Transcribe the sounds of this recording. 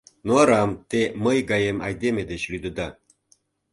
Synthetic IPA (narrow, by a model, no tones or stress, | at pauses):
noɑɾɑmt̪eməjɡɑjemɑjd̪emʲed̪et͡ɕlyd̪ɤd̪ɑ